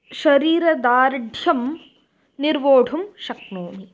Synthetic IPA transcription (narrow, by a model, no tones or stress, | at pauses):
ʃɐɾiːɾɐd̪aːɾɖʱjɐm | niɾʋoːɖʱumʃɐk̚noːmi